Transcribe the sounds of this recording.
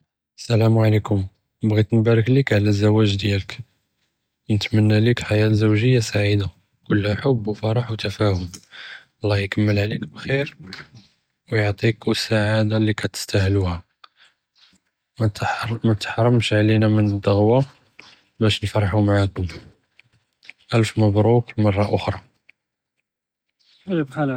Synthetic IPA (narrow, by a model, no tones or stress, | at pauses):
ʔəsːælæmʕalikʊm | bɣit̪nbæɾəklikʕlæzːæwæʒd̪jælək | nət̪mənːælikħajæzuwʒəjːasaʕid̪a | kʊlːhæħʊbːwfɑɾˤɑħwt̪æfæhʊm | ɑlˤːɑjkəmːəlʕlikbxiɾ | wjoʕt̪ˤikwəsːaʕad̪alikæt̪ə̥st̪ahluhæ | mæt̪ħɾˤɑmʃʕlinæmənəd̪ːəɣwa | bæʃnfɾˤħumaʕakʊm | ʔælfməbɾˤukmɑrˤːɑʔʊxɾˤɑ